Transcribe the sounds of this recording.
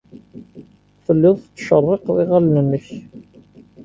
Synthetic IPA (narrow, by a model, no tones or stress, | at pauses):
fəlːɪðˤθət͡sːʃərˤːɪqðˤiʁalnənːəç